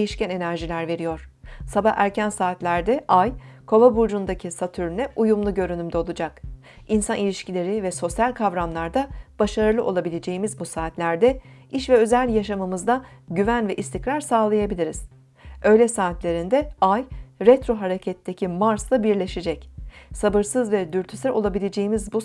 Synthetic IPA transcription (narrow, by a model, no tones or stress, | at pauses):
ejiʃcæne̞næɾʒilʲæɾve̞ɾijo̞ɾ̥sabahæɾcʰænsaːt̪lʲæɾd̪ɛʔajkʰo̞lˠabuɾd͡ʒund̪acʰisat̪ʰyɾnɛʔujumlˠuɟø̞ɾynymd̪ɛo̞lˠud͡ʒak | insanilʲiʃcilʲe̞ɾivɛso̞sjalʲkʰavɾamlˠaɾd̪ab̥aʃaɾɯlˠɯʔo̞lˠabilʲe̞d͡ʒe̞jimizbusaːt̪lʲæɾd̪ɛ | iʃvɛø̞zælʲjaʃamɯmɯzd̪aɟyvænvɛʔist̪ʰicɾaɾsaːlˠajabilʲiɾiz̥ | ø̞jlʲɛsaːt̪lʲe̞ɾind̪ɛajɾɛt̪ɾo̞ɦaɾecʰɛt̪ʰːecʰimaɾslˠabiɾlʲe̞ʃed͡ʒɛcsabɯɾsɯzvɛd̪yɾt̪ʰysɛɾo̞lˠabilʲe̞d͡ʒejimizbu